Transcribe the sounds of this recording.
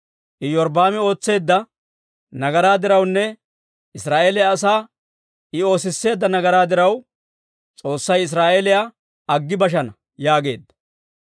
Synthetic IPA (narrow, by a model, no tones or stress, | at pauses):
ʔɪjɔɾb̪aːmɪo̞ːt͡sːe̞ːd̪ːɐ | nɐɡɐɾaːd̪ɪɾɐwnːɛ | ɪsɾaːʔeːlɪjaːs̬aː | ɪo̞ːs̬ɪsːe̞ːd̪ːɐnɐɡɐɾaːd̪ɪɾɐw | t͡sʼo̞ːsːɐjɪs̬ɾaːʔelɪja | ɐɡːɪbɐʃ̬ɐnɐ | jaːɡe̞̰ːd̪ːɐ̥